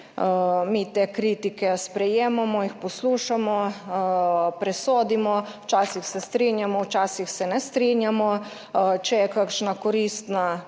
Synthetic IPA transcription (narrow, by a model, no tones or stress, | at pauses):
mit̪eːkɾiːt̪ikɛspɾɛjeːmamɔjixpɔsluːʃamɔ | pɾɛsoːd̪imɔwt͡ʃaːsixsɛst̪ɾinjamɔwt͡ʃaːsixsɛnɛst̪ɾiːnjamɔ | t͡ʃɛjɛkakʃnakɔɾist̪na